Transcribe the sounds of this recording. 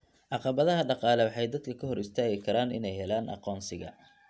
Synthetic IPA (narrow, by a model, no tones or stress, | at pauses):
ʕɑqɑβɐðɐɦɐɖɑqɑːlɛwɑħɑjd̪ɐd̪kʰɐkʰɐɦɔɾɪst̪ʰaːɣɪkʰɐɾaːnɪ̰nɛjhɛlaːnʔɑ̰qɔːnsɪɣɐ̰